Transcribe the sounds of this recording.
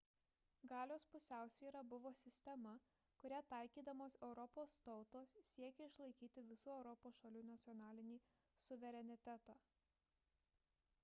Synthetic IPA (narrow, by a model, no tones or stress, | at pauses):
ɡɑːlʲoːspʊsʲæˑʊsʲʋʲiːɾɐbʊʋoːsʲɪsʲt̪ʲɛmɐ | kʊɾʲæt̪ɑɪkʲiːd̪ɐmoːsɛʊɾɔpoːst̪ɒʊt̪oːssʲiɛkʲɛɪʃlˠɐɪkʲiːt̪ʲɪʋʲɪsuːɛʊɾɔpoːsʃɐlʲuːnɐt̪sʲɪɔnɑːlʲɪnʲiː | sʊʋʲɛɾʲɛnʲɪt̪ʲæt̪ɑː